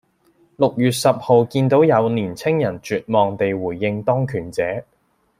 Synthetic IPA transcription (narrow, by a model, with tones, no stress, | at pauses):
lʊ˨k̚jyː˨t̚sɐ˨p̚ho˨˧wkiː˧nt̪o˨˥wjɐ˨˧wniː˨˩nt͡sʰɪ˥ŋjɐ˨˩nt͡ʃyː˨t̚mɔː˨ŋt̪e˨jwuː˨˩jːɪ˧ŋt̪ɔː˥ŋkʰyː˨˩nt͡sɛː˨˥